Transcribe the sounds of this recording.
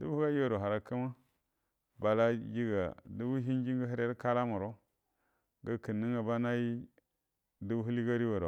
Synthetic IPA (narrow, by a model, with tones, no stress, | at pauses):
du˦bu˦u˦ɡa˦ji˦wa˨ɾo˨a˨ɾa˨ka˦ma˦ | ba˨la˦ji˦ɡa̰˨du˦bu˦ɦi˦n˦d͡ʒi˦ŋɡa˦ɦi˦ɾe˦ɾka˦la˦mu˨ɾo˦ | ɡa˦ki˨nːi˦ŋɡa˨ba˦na˦ji˦ | du˦bu˦ɦu˦li˦ɡa˦ɾi˦wa˨ɾo˨